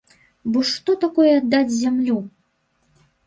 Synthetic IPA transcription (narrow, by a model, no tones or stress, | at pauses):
bɔʂt̪ɔt̪akɔjɛad̪ːad͡zʲzʲamlʲu